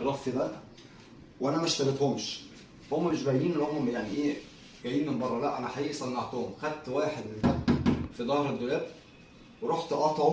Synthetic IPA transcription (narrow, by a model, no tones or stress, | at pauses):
lˤɑfid̪æ | wʔænæmæʃt̪ælet̪homʃ | fhomːæmeʃbæjniːnlohomjaʕniʔeː | ɡ̥æjiːnmːebɑrˤːɑlæʔænæħaiːʔsˤɑnːɑʕt̪ohomxæd̪̚t̪wæːħed̪enfæfid̪ˤɑːhɾed̪ːolæːt̪ | weɾˤoħt̪ʔɑt̪ˤo